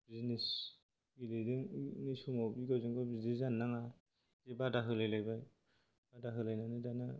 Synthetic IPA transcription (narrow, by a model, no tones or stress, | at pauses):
biznis | ɡilidɯŋnisumɔbiɡawzɯŋɡɔbizniszanːaŋa | zebadaɦɯlajlajbaj | b̥adaɦɯlajnanɯdana